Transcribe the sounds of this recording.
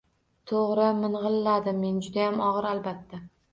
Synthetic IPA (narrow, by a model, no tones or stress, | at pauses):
t̪ʰoʁɾɪmɪnʁɨlːad̪ɪmːe̞nd͡ʒʊd̪ajamɒʁɨɾalbat̪ːa